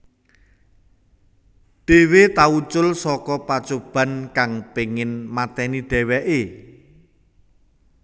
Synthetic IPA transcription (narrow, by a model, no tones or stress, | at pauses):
ɖ̥e̤wet̪aut͡ʃʊlsɔkɔpat͡ʃob̥ä̤nkaŋpeŋɪnmat̪ɛniɖ̪̥ɛ̤wɛʔe